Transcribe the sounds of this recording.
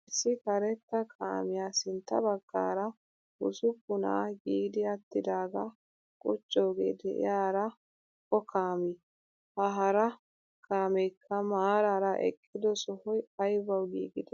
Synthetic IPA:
ɪsːɪkɐɾɛt̪ːɐkʰa̰ːmɪjaːsɪnt̪ːɐ̰bɐɡ̥ːa̰ːɾɐ | ʊsʊpːʊna̰ːɡiːɡd̪ɪɐt̪ːɪd̪aːɡɐ | kʼʊt͡ʃʼːo̞ːɡḛːd̪ɛʔɪ̰jaːɾɐ | kɔkʰaːmɪ | hɐɦɐɾɐ | kʰaːmɛjkʰːɐmaːɾaːɾɐʔɛ̰kʼːɪd̪ɔsɔhɔjɐjbɐwɡḭːɡɪd̪ɛ

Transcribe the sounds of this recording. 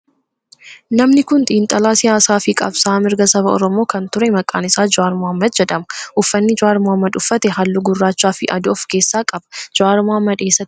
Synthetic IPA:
nɐmnɪkʊnt̪ʼiːnt̪ʼɐlaːsɪjaːsaːfɪkʼɐ̰bsaːmɪɾɡɐsɐbɐɔ̰ɾɔmo̞ːkɐnt̪ʊɾɛmɐkʼːa̰ːnɪsaːd͡ʒʊaːɾmoɐmːɐd̪̚d͡ʒɛᶑ̪ɐmɐʔʊfːɐnːɪd͡ʒʊaːɾmʊɐmːɐd̪ʊfːɐt̪ɛhɐlːʊɡʊrːaːt͡ʃːaːfɪʔɐ̰d̪ʊɔfke̞ːsːaːkʼɐbɐ̥d͡ʒʊaːɾmoɐmːɐd̪e̞ːsːɐt̪ːɪ̥

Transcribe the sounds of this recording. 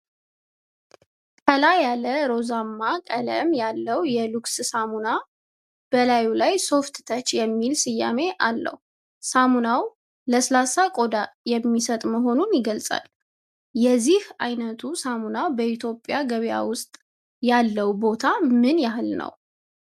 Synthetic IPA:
kʰəlajaləɾo̞zamːakʼələ̰mjalːəwjɛlukssamuna | b̥əlajulajso̞ft̪t̪ʰət͡ʃjɛmːilsɨjːa̰me̞ʔalːə̰hu | samunaw | ləslasakʼo̞d̪ajɛmːisət̪ʼməɦo̞nunjɪɡəlsʼa̰l | jɛzːihajnət̪ʰusamunawbəʔit̪ʰjo̞pʼːjaɡəβja̰wʊst̪ʼ | jalːəwbo̞t̪ʰamɨnjahɨlnə̰w

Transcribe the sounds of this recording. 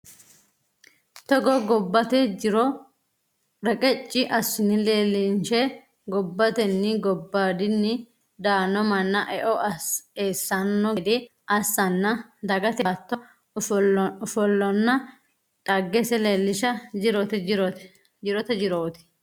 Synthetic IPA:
t̪ɔɡɔɡɔbːɐt̪ɛd͡ʒɪɾɔ | ɾɛkʼɛt͡ʃʼːɪʔɐsːɪnɪleːlɪnʃɛ | ɡɔbːɐt̪ɛnːɪɡɔbːaːd̪ɪnːɪ | d̪aːnːɔmɐnːɐʔɛʔɔɐeːsːɐnːɔd̪ɪ | ʔɐsːɐnːɐd̪ɐɡɐt̪ɐt̪ːɔ | fɔlːɔnːɐ | tʼɐɡːɛsɛleːlːɪʃɐd͡ʒɪɾot̪ɛɾɔ | d͡ʒɪɾɔt̪ɛd͡ʒɪɾoːt̪ɪ̥

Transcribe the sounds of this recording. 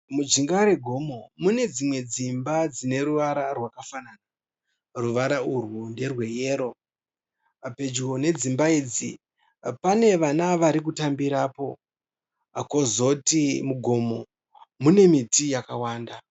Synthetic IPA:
mud͡ʒiŋɡaɾeɡʱo̞mo̞mune̞d͡zimwe̞d͡zimbad͡zine̞ɾuʋaɾarwakafanana | ruʋaɾaurwunde̞rwe̞je̞ːɾo̞ | pe̞d͡ʒkone̞d͡zimbaiːd͡zḭ | pane̞ʋanaʋaɾik̬utambiɾapo̞ | ako̞zo̞timuɡʱo̞mo̞ | mune̞mitijakawaːnda

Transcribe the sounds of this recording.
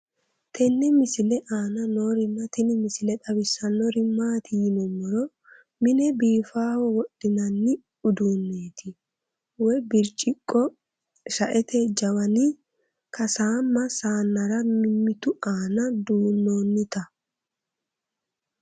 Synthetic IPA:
t̪ʰɛnːɪmɪsɪlɛʔaːnɐnoːɾɪmːɐt̪ɪnɪmɪsɪlɛt̪ʼɐbɪsːɐnɔɾɪmaːt̪ɪjɪnɔmːɔɾɔ | mɪnɛbiːfaːwɔwɔɗɪnɐnːɪ | ʊd̪unːeːt̪ɪ | wɔjbɪɾt͡ʃʼːɪkʼːɔ | ʃɐʔɛt̪ʰɛd͡ʒɐwɐnɪ | kʰɐsaːmːɐsaːnːɐɾɐmɪmːɪt̪ʊaːnɐd̪uːnːoːnːɪt̪ɐ

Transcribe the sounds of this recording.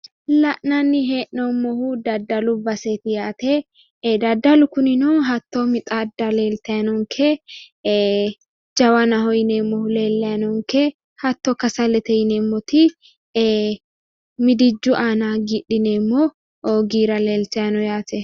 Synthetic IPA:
lɐʔnɐnːɪɦeːʔnɔmːɔhʊd̪ɐd̪ːɐlʊbɐset̪ɪjaːt̪ɛ | d̪ɐd̪ːɐlʊkʊnɪnɔɦɐt̪ːɔmɪt̪ʼad̪ːɐleːlt̪ɐjɐnɔŋkʰɛ | d͡ʒɐwɐnɐhɔjɪneːmːɔhʊleːlːɐjɐnɔŋkɛ | hɐt̪ːɔkɐsɐlɛt̪ɛjneːmːɔt̪ɪ | mɪd̪ɪd͡ʒːʊʔaːnaɡiɗɪneːmːɔ | ʔoːɡiːɾɐleːlt̪ɐjɐnɔjaːt̪ɛ

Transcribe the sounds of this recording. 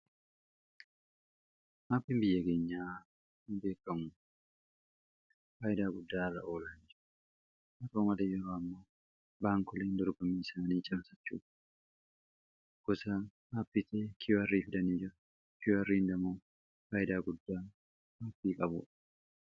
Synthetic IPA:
maːpːɪmbɪjːɐke̞ːɲːaː | hɪmbe̞ːkʼːɐmʊ | faːʔɪd̪aːɡʊd̪ːaːrːɐ̰ʔo̞ːlɐnːd͡ʒɪɾ | mɐt̪oːmɐlejɛɾoːɐmːɐ | baːŋkʊleːnd̪ɔɾbɐmiːɪsaːniːt͡ʃʼɐbsɐt͡ʃːṵːᶑɐ̥ | ɡ̥ɔsahaːpːiːt̪ʰɐkʰɪjʊɐrːiːfɪd̪ɐniːd͡ʒɪɾɐ | kɪjoɐrːiːnd̪ɐmoː | faːjɪd̪aːɡʊd̪ːaː | haːpːiːkʼɐbʊ̰ᶑ

